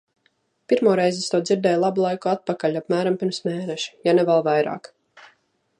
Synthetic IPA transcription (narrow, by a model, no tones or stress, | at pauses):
pʲiɾmuɔɾɛjzist̪ɔwd̪ziɾd̪ɛːjlˠabulˠajkuat̪̚pakaʎapmæːɾampʲiɾmsmeːnɛʃi̥janɛvɛlˠvajɾa̰ːk